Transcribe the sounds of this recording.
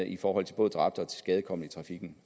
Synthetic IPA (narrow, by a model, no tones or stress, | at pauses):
ifɒːhɒ̽l̰t͡sʰe̝b̥ɔ̽ːð̩ˠd̥ʁɑ̈b̥̚d̥ɒ̽t͡sʰe̝̥sɡ̥ɛð̞ˠəkʰɒ̽m̰n̩it͡sʰʁɑ̈fiɡ̥n̩